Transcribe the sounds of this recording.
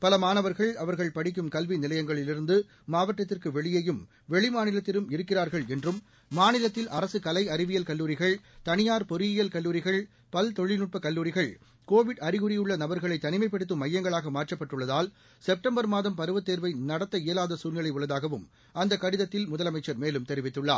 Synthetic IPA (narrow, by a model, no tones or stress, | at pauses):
pɐlɐmaːnɐʋɐɾɣɐɭɐʋɐɾɣɐɭpɐɽɪk̬ːɯmkɐlʋinɪlɐjɐŋɡɐɭɪlɪɾɯnd̪ɯː | aːʋɐʈːɐt̪ːɪrkɯʋɛɭɪjɐjɯm | ʋɛɭɪmaːnɪlɐt̪ːɪɾɯmɪɾɯkːɪraːɾɣɐɭɛndrɯmː | aːnɪlɐt̪ːɪlʔɐɾɐsɯkɐlɐɪɐɾɪʋɪjɐlkɐlːuːɾɪɣɐɭt̪ɐnɪjaːɾpɔɾɪjɪjɐlkɐlːuːɾɪɣɐɭ | pɐlt̪ɔɻɪnʊʈ̚pɐkɐlːuːɾɪɣɐɭ | koːʋɪɽɐɾɪɣɯɾɪjɯɭːɐnɐbɐɾɣɐɭɐɪt̪ːɐnɪmɐɪpːɛɽɯt̪̬ːɯmɐjːɐŋɡɐɭaːɣɐmaːrʈːɐpːɐʈːɯɭːɐðaːl | sɛp̚ʈɐmbɐɾmaːðɐmpɐɾɯʋɐt̪ːeːɾʋɐɪnɐɽɐt̪ːɐɪjɐlaːðɐsuːnɐɭɐɪʊɭːɐðaːɣɐʋɯm | ɐnd̪ɐkːɐɽɪðɐt̪ːɪlmʊðɐlɐmɐɪt͡ʃːɐɾmeːlɯmt̪ɛɾɪʋɪt̪ːɯɭːa̰ː